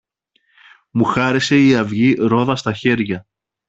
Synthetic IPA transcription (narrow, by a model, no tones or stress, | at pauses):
muxɐɾese̞iɐvʝiɾo̞ðɐst̪ɐçe̞ɾʝɐ